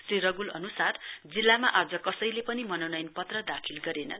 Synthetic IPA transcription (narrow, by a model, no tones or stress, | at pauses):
sriɾʌɡulʌnusard͡zilːamaʔad͡zʌkʌsʌjlepʌnimʌnʌwnʌjnpʌt̪rʌd̪akʰilɡʌɾenʌ̰n